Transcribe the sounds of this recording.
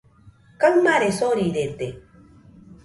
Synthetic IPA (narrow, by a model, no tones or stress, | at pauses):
kaŋmaɾesoɾiɾet̪e